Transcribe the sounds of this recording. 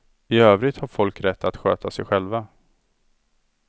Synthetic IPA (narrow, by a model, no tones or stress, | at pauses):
ɪøːvɾɪt̪haɾfɔlkɾɛt̪ːat̪ɧø̰ːt̪ʰasɛjɧɛlva